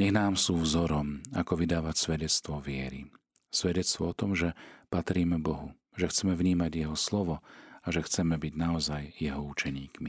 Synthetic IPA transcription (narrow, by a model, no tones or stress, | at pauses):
ɲɛɣnaːmsuːvzɔɾɔma̰kɔʋid̪aːʋacsʋɛɟɛt͡st̪ʋɔʋɪɛɾḭ | sʋɛɟɛt͡st̪ʋɔɔt̪ɔmʒɛpat̪ɾiːmɛbɔɦu | ʒɛxt͡sɛmɛvɲiːmaɟjɛɦɔslɔʋɔaʒɛxt͡sɛmɛbiɟnaɔzajjɛɦɔut͡ʃɛɲiːkmi